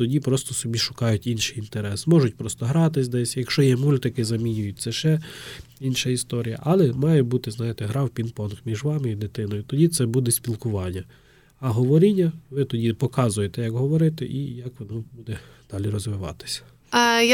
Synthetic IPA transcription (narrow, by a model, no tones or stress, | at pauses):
t̪ɔdʲipɾɔst̪ɔsɔbʲiʃʊ̥kɑjʊtʲinʃɪjint̪eɾɛsmɔʒʊtʲpɾɔst̪ɔɦɾɑt̪ɪsʲd̪ɛsʲjɐkʃt͡ʃɔjɛmulʲt̪ɪkɪzɐmʲinʲʊjʊt̚ʲtsɛʃɛinʃɐist̪ɔɾʲijɐ̰ʔɐlˠɛmɑjɛbut̪ɪznɑjɪt̪ɛɦɾɑwpʲinpɔnxmʲiʒʋɑmɪid̪ɪt̪ɪnɔjʊt̪ɔdʲit̪sɛbud̪ɛsʲpʲilˠkʊʋɑnʲːɐ | ɐɦɔʋɔɾʲinʲːɐʋɪt̪ɔdʲipɔkɑzʊjet̪ɛjɐkɦɔʋɔɾɪt̪ɛ̰ʔijɐkʋɔnɔbud̪ɛ | d̪̥ɑlʲiɾɔzʋɪʋɑ̰t̪ɪ̥sʲɐ̥ | j